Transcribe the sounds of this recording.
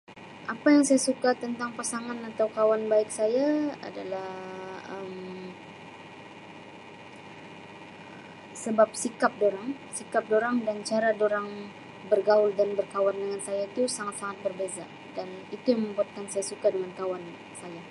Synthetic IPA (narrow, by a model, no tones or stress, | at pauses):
ʔapajaŋsajasukat̪ənt̪aŋpasaŋanat̪awkawanbaɪk̚sajaa̰dalahəm | səbap̚sikap̚doɾaŋsikap̚doɾaŋdant͡ʃaɾadoɾaŋ | bərɡaʊldanbərkawandəŋansajait̪usaŋat̪saŋat̪̚bərbeza | danit̪ujaŋməmbuat̪̚kansajasukadəŋankawan | saja